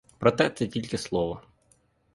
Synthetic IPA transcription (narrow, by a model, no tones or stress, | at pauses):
pɾɔt̪ɛt̪sɛtʲilʲkɪslˠɔʋɔ